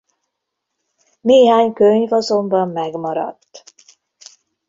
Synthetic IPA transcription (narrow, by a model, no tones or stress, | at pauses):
neːɦaːɲkøɲvɒzo̞mbɒmːɛɡmɒɾɒ̰t̪ː